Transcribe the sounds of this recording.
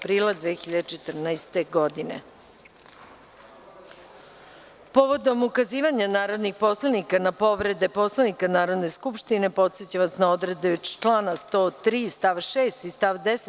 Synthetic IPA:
pɾiːlˠad̪ʋeːxiʎad̪et͡ʃe̞t̪r̩najst̪eɡo̞d̪inḛ | poʋod̪o̞mukaziːʋaɲanaːɾo̞d̪nixpo̞slˠanikanapo̞ʋɾe̞d̪e̞po̞slˠanikanaːɾo̞d̪ne̞skupʃt̪ine̞po̞t̪set͡ɕaʋasnao̞d̪ɾed̪eot͡ʃlaːnast̪o̞ːt̪ɾiːst̪aʋʃeːst̪ist̪aʋd̪es

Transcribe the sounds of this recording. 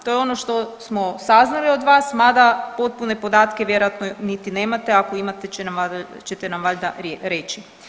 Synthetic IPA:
t̪o̞jo̞no̞ʃt̪o̞smo̞saznaliod̪ʋaːsmad̪apo̞t̪̚pune̞po̞d̪aːt̪keʋjeɾojat̪nonit̪ine̞ːmat̪e̞akoimat̪eenama | t͡ʃet̪enamʋaʎd̪a̰ɾjeɾeːt͡ʃi

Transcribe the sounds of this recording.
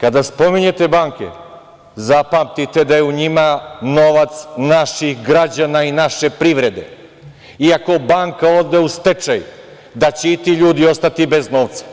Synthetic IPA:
kad̪aspo̞miɲe̞t̪e̞baːŋkḛ | zapamt̪it̪e̞d̪ajeuɲimano̞ʋat̪snaʃixɡɾad͡ʑanainaʃe̞pɾiʋɾe̞d̪e̞̰ | iako̞baːŋkao̞d̪eust̪e̞t͡ʃaj | d̪at͡ɕeit̪iʎuːd̪io̞st̪at̪ibe̞zno̞ːʋt̪sḁ

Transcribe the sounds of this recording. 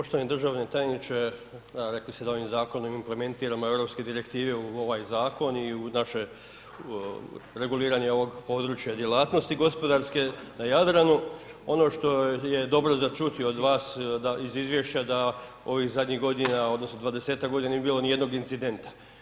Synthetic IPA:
ppoʃt̪oaned̪r̩ʒaʋne̞t̪ajenit͡ʃe̞aɾe̞klist̪ed̪ao̞ʋimzaːko̞nomimple̞me̞nt̪iːɾamo̞e̞ʋɾo̞pske̞d̪iɾe̞kt̪iːʋe̞uo̞ʋaːjzaːko̞niunaʃe | ɾe̞ɡuliːɾaɲeo̞ʋo̞ɡpo̞ːd̪ɾut͡ʃjad̪je̞lˠaːt̪no̞st̪iɡo̞spo̞d̪aɾske̞najad̪ɾanu | o̞no̞ːʃt̪o̞je̞d̪o̞bɾo̞zat͡ʃut̪iood̪ʋaːsd̪aizizʋjeʃt͡ɕad̪a | o̞ʋixzad̪ɲiɣɡo̞d̪inao̞d̪no̞snod̪ʋad̪e̞seːt̪akɡod̪inaniebiːlo̞nije̞d̪no̞ɡint̪sid̪e̞nt̪ḁ

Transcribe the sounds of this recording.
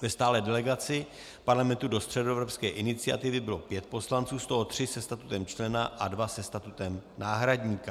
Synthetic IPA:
vɛst̪aːlɛːdɛlɛɡat͡sɪ | paɾlamɛnt̪udo̞st̪r̥ɛdoɛvɾopskɛːʔɪnɪt͡sɪa̰t̪ɪvɪbɪlo̞pjɛt̪̚po̞slant͡suːst̪o̞ɦo̞t̪r̝̥ɪsɛst̪at̪ut̪ɛmt͡ʃlɛnaʔadvasɛst̪at̪ut̪ɛmnaːɦɾadɲiːka

